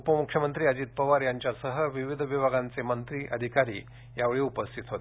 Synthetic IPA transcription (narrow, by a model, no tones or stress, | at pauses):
upəmukʰʂjəmənt̪ɾiːəd͡ʑiːt̪̚pəʋaɾjaɲt͡ɕjasəɦəʋiʋid̪ʱəʋibʱaɡãnt͡semənt̪ɾiːʔəd̪ʱikaɾḭː | jaʋeɭiːupəst̪ʰit̪ɦot̪e